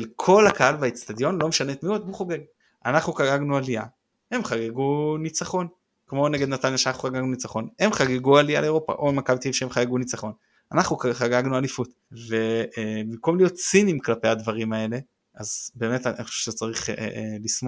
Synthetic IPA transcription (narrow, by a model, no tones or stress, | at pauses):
elkʰo̞lakaalbait͡st̪ad̪jo̞nlo̞meʃanet̪miod̪̚buχoɡeɡ | anaχnukaɡaɡnualia | he̞mχaɡeɡunit͡saχo̞n | kmo̞ne̞ɡed̪nat̪anjaʃeanaχuχaɡaɡnunit͡saχo̞ne̞mχaɡeɡualia̰leeʁo̞pa̰ʔoemakavt̪iivʃeemχaɡeɡunit͡saχo̞n | anaχnukχaɡaɡnualifut̪ | ve̞bimko̞mlijo̞t̪t͡sinimklape̞jad̪vaʁimae̞le̞ | azbeːme̞t̪ananiχoʃuʃezt͡saʁiχlismo